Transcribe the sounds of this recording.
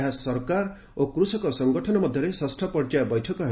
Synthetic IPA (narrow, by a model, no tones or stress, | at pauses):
ɦasɔɾkaɾ | okɾusɔkɔɾsɔŋɡɔʈʰɔnɔmɔd̪ʱjɔɾesɔsʈʰɔpɔɾd͡ʒajbɔjʈʰɔkɔɦ